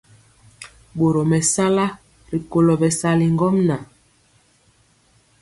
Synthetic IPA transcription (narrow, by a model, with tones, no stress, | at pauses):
ɓo˨ɾo˨mɛ˨sa˦la˦ | ɾi˨ko˨lɔ˨bɛ˨sa˦li˨ŋɡɔ˦mna˨